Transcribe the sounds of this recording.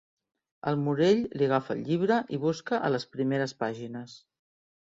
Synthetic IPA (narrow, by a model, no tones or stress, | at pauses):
ə̰lˠmuɾeʎliɣ̞afə̰ʎʎiβ̞ɾəʔiβ̞uskəʔələspɾimeɾəspaʒinəs